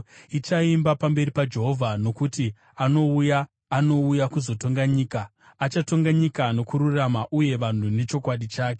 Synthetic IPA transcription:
it͡ʃaimbapambe̞ɾipad͡ʒe̞ɦo̞vʱano̞kuti | ano̞ujaː | no̞ujakuzo̞to̞ŋɡaɲiːkaː | t͡ʃato̞ŋɡaɲikano̞kuɾuramaʔuje̞ʋan̤une̞t͡ʃo̞kwaɗit͡ʃaːk̬e̞

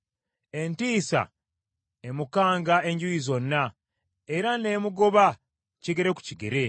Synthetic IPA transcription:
e̞ntiːsa̰ | e̞mukaːŋɡae̞ɲɟujizo̞nːa | eɾane̞ːmuɡo̞βa | ciɡe̞ɾe̞ku̥ciɡḛɾe

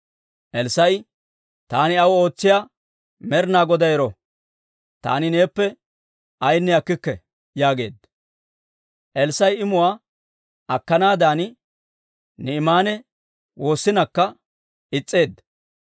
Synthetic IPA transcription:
ʔɛlsɐj | t̪aːnɪɐwɔo̞ːt͡sːɪjaː | mɛɾnaːɡɔd̪ɐjɛɾɔ | t̪a̰ːnɪneːpːɛ | ɐjnːɛɐkːɪkːɛ | jaːɡe̞ːd̪ | ʔɛlsɐjɪmʊwaː | ɐkːɐnaːd̪aːnɪ | nɛɪmaːnɛ | wo̞ːsːɪnɐkːɐ | ɪt͡sʼːe̞ːd̪

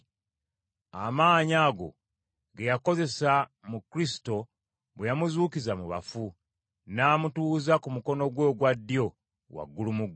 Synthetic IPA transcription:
amaːɲaːɡo̞̰ | ɡejako̞ze̞samukɾisi̥to̞ | βwejamuzuːkizamuβa̰fu | naːmutuːzakumuko̞no̞ɡwe̞ːɡwadːjo̞ | wa̰ɡːulumuɡ

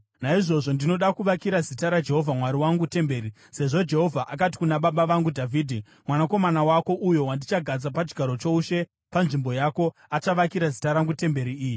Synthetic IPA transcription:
naiʐo̞ʐo̞ndino̞ɗakuʋakiɾazitaɾad͡ʒe̞ɦo̞vʱamwaɾiwaŋɡute̞mbe̞ːɾi | se̞ʐo̞d͡ʒe̞ɦo̞vʱaʔak̬at̬i̥kunaɓaɓaʋaŋɡudʱavʱiːdʱi | mwanako̞manawako̞ʔujo̞wandit͡ʃaɡʱad͡zap̬ad͡ʒiɡʱaɾo̞t͡ʃo̞uʃe̞ | panʐimbo̞jako̞at͡ʃaʋakiɾazitaɾaŋɡute̞mbe̞ɾiiːji

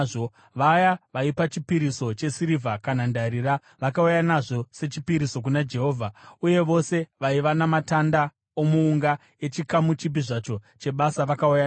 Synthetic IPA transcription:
ʐo | ʋajaʋaipat͡ʃipiɾiso̞t͡ʃe̞siɾivʱakanandaɾira | ʋakaujanaʐo̞se̞t͡ʃipiɾiso̞k̬unad͡ʒe̞ɦo̞ːvʱauje̞ʋo̞se̞ʋaiʋanamatanda | omuːŋɡa | e̞t͡ʃikamut͡ʃip̬iʐat͡ʃo̞t͡ʃe̞ɓasaʋakauja

